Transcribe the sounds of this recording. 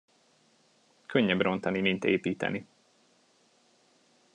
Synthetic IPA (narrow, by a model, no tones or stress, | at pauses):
kʰøɲːɛbro̞nt̪ɒnimint̪eːpiːt̪ɛ̰ni